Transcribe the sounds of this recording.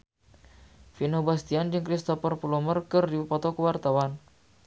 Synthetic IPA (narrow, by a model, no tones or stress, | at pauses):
finobast̪iand͡ʒɨŋkɾist̪ofərpulɔmərkɨrdiupɔt̪okəwart̪awan